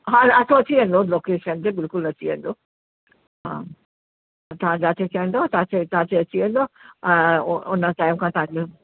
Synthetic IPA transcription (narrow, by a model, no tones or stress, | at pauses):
ɦãɐt̪ʰoɐt͡ɕʰiʋẽːnd̪oloːkeːʃənt̪ebɪlkʊlɐt͡ɕiʋḛ̃ːn̆d̪o | ɦã̰ː | t̪ɐɦãd͡ʑaːt̪ʰet͡ɕɐə̃nd̪ot̪ɐãt͡ɕet̪ɐɦãteɐt͡ɕiʋẽːnd̪õ | ʊnəʈaːɪmkʰãt̪ɐãke